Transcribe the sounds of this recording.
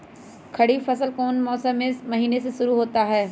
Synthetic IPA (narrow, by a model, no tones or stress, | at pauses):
kʰɐɽifɐsəlkoːnmɔːsəmesmɐɦiːneseʃʊɾuɦoːt̪aɦɛː